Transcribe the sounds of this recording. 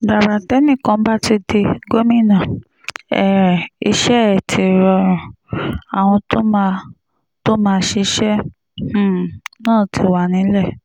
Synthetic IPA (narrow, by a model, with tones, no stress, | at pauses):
ba˨ɾa˨tɛ˦nĩ˦˨kã˧m̩˦ba˦ti˧de˧ɡo˦mĩ˦˨nã˨ | ɛ˨i˧ʃɛ˦˨tʰi˨ɾɔ˧ɾ̃ĩ˨a˨w̃ɔ̃˧to˦ma˧ | to˦mãː˦˧˦ʃe˧˦ʃɛ˦ | h̩˦˨nãː˦˨ti˧wa˨nĩ˨˦lɛ˦˨